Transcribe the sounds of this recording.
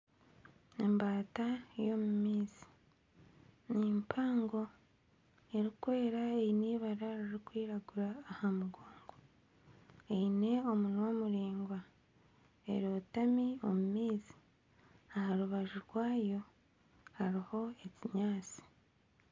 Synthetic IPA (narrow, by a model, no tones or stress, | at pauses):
embaːtajo̞mumiːzi̥ | nimpʰaːŋɡo̞ | e̞ɾikwe̞ːɾaejiniːβaɾaɾiɾikwiːɾaɡuɾaːhamuɡoːŋɡo | eine̞omunwomuɾiːŋɡwa | e̞̰ɾoːtamio̞mumiːzi̥ | ahaɾuβaʒuɾɡwaːjo̞ | haɾiho̞e̞ciɲaːt͡si̥